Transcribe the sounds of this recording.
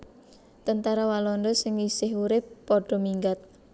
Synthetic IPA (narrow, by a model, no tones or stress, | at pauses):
t̪ənt̪aɾawalɔnd̪ɔsɪŋisɪɦuɾɪpːɔɖ̥ɔ̤miŋɡat̪̚